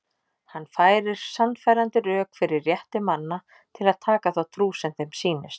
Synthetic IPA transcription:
hanːfaːjɾɪɾ̥sanːfaːjɾant̪ɪɾœːkfɪɾɪɾːjɛht̪ɪmanːa | t̪ʰɪlaðt̪ʰaːkaθawt̪ʰɾuːsɛmθejmsiːnɪ̰st̪

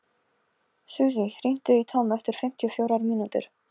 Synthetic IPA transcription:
suːs̬irin̥t̪ʏit̪ʰoːmɛft̪ɪɾ̥fɪm̥t̪ʰiɔfjowɾaɾmiːnut̪ɪ̰ɾ̥

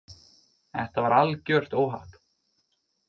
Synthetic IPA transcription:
ɛ̰ht̪avaɾalcœr̥t̪oːwɦa̰t̪

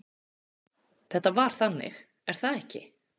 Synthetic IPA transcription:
θɛht̪ːavaɾ̥θanːɪ̰x | ɛɾ̥θaðɛhcɪ̰

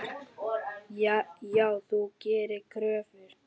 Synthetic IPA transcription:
ajaːwθucɛːɾɪkʰɾœːvʏɾ̥

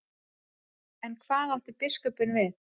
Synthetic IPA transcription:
ɛnkʰvaːðawht̪ɪpɪskœpʏnvɪθ

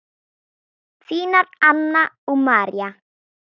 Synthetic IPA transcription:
t͡sinatanːa | umaɾja

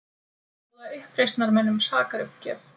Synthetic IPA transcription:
ðaʏhpɾejst̪naɾmɛnːʏmsaːkaɾʏhpcɛ̰ːf

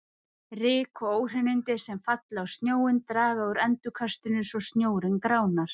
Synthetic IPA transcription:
rɪːkʰɔoːwr̥ɛnɪnt̪ɪsɛmfat̪laawst̪njoːwɪnt̪ɾaːɣaʏɾɛnt̪ʏkʰast̪ʏnʏsɔɣst̪njoːwɾɪnkɾaːwnaɾ̥

